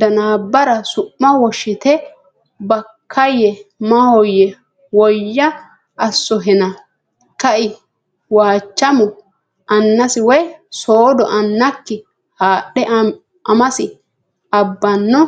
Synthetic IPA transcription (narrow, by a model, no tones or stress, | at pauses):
d̪ɐnaːbːɐɾɐsʊʔːɐwɔʃɪt̪ɛ | bɐkʰːɐjɛmɐhɔjːɛ | wɔjːɐː | sːɔɦɛnɐ | kɐʔɪ | waːt͡ʃːɐmʊ | ʔɐnːɐsɪwɛjsoːd̪ɔʔɐnːɐkːɪ | haːɗɛ | ʔɐmɐsɪ | ɐbːɐnːɔ